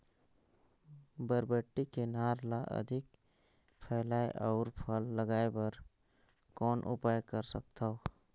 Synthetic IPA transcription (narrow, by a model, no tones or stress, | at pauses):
bəɾbəʈːikenaːɾlaʔə̰d̪ʱɪk | pʰɛːlaːeʔɔʊɾpʰəlːəɡaːebəɾ | kɔːnʔʊ̰paːjkəɾsək̚t̪ao